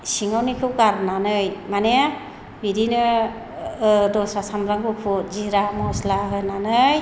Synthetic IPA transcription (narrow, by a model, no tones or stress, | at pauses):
siŋawnikʰɯwkaɾnanɯjmanea | biɾinɯ | dɔsɾasamɾaŋbɯpʰuziɾamɔslaɦɯnanɯj